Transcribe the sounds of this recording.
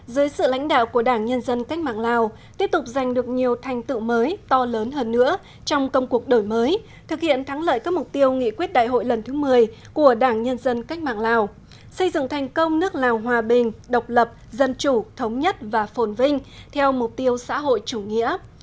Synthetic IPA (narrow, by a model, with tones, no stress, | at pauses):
zəː˨˦jsɨ̰˧˨la̰˧˥jŋ̟ɗa̰ː˧˨wku˧˩əɗaː˧˩ŋɲə˧nzə˧nka˦˥k̟̚maː˧˨˩ŋlaː˨˩w | t̪i˦˥əp̚t̪ʊ˨˩k͡p̚za˨˩jŋ̟ɗɨ˨˩ək̚ɲi˨˩əwt̪ʰa˨˩jŋ̟t̪ɨ̰˧˨məː˨˦jt̪ɔ˧ləː˨˦nɦəː˧nːɨ̰˧˥ə | t͡ɕɔ˧wŋ͡mkə˧wŋ͡mku˨˩ək̚ɗo˧˩jməː˨˦j | t̪ʰɨ˨˩k̚hḭ˧˨ənt̪ʰa˨˦ŋlə̰ː˧˨jkaː˦˥k̚m˨˩k͡p̚t̪i˧əwŋḭ˧˨kwi˦˥t̚ɗa̰ː˧˨jɦo̰˧˨jlə˨˩nt̪ʰɨ˨˦mɨ˨˩əjku˧˩əɗaː˧˩ŋɲə˧nzə˧nka˦˥jk̟̚ma̰ː˨ŋlaː˨˩w | sə˧jzɨ̰˧˨ŋt̪ʰa˨˩jŋ̟kə˧wŋ͡mnɨ˦˥ək̚laː˨˩wɦwaː˨˩ɓï˨˩ŋ̟ɗə˨˩wk͡p̚lə˨˩p̚zə˧nt͡ɕu˧˩t̪ʰə˨˦wŋ͡mɲə˦˥t̚vaː˨˩fo˨˦nvï˧ŋ̟t̪ʰɛ˧wmʊ˨˩k͡p̚t̪i˧əwsa̰ː˧˥ɦo̰˧˨jt͡ɕu˧˩ŋḭ˧˥ə